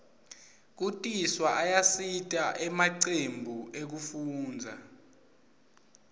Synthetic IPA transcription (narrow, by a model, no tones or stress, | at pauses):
k̬utʼiswaʔajasitʼaʔɛmaǀembʱuʔek̬ufuːnd͡zʱa̰